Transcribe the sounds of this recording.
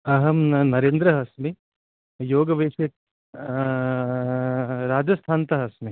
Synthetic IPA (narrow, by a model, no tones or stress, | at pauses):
ɐɦɐmnɐɾeːnd̪ɾɐɦɐsmi | joːɡɐʋeːʃek̪̚ | ɾaːd͡ʒɐst̪ʰaːnt̪ɐɦɐsmi